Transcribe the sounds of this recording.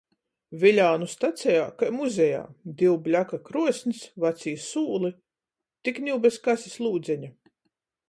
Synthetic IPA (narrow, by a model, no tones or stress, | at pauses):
vilʲaːnust̪at̪sʲɛjaːkajmuzʲɛja̰ːd̪iwblʲakakɾuɔsʲnisvat̪siːsuːlˠi | t̪iknʲiwbɛskasʲislˠuːd̪zʲɛɲɐ